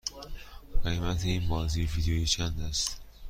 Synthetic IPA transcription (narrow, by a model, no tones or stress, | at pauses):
ɢemæt̪ʰeiːnbɒːziːvid̪iit͡ʃʰænd̪æst̪